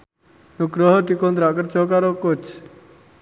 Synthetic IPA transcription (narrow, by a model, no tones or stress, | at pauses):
nuɡɾɔɦɔd̪̥i̤kɔnt̪ɾaʔkər̥ʒ̥ɔ̤kaɾokʊt͡ʃ